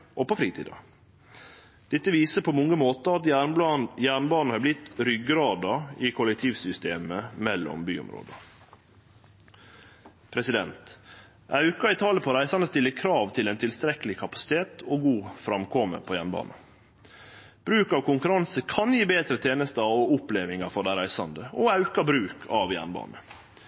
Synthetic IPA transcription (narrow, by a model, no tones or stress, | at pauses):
ʔɔpɔfɾiːt̪ḭːd̪ɑ̰ | d̪̥ɛt̪ːəʋiːsəpʰɔmɔŋːəmoːt̪əɑt̪jæːɳjæːɳbɑːnn̩hɑɾblɪt̪ɾʏɡɾɑːd̪ɑɪkʰʊlɛk̚t̪ʰiːʋsʏst̪eːməmɛlːɔ̰mby̰ːʊ̰mɾo̰ːd̪ə | pʰɾɛsɪd̪ɛ̰nt̪ | ɑʉkɑɪt̪ʰɑːləpʰɔɾæɪsɑnd̪əst̪ɪlːəkʰɾɑːʋt̪ʰɪlɛnt̪ʰɪlst̪ɾɛkəlɪkʰɑpɑ̥sɪ̥t̪ʰeːt̪ʰɔɡuːfɾɑmkʰɔmə̰pʰojæːɳbɑ̰ːnə | b̥ɾʉːkɑʋkʊŋkʉɾɑnsəkʰɑnjiːbeːd̪ɾət̪ʰeːnəst̪əɑɔʊpleːʋɪŋɑfɔɖæɪɾæɪsɑnd̪əɔɑʉkɑbɾʉːkʰɑʋjæ̰ːɳbɑ̰ːnə